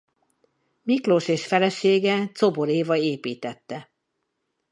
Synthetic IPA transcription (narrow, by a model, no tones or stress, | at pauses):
mikloʃeːʃfɛlɛʃeːɡɛt̪soboɾeːvɒeːpiːt̪ɛt̪ːɛ